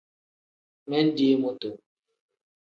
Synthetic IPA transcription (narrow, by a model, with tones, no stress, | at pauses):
mɛ˦n˦di˦mo˦to˨